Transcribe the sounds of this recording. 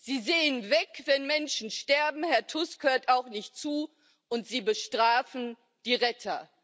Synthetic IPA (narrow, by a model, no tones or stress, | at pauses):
z̥iːzeːənvɛkvɛnmɛnʃn̩ʃtɛɐbm̩hɛɐtʰʊskhøːɐtaʊxnɪçtt͡suː | ʔʊntz̥iːbəʃtʁ̥aːfn̩ | d̥iːʁɛtʰɐ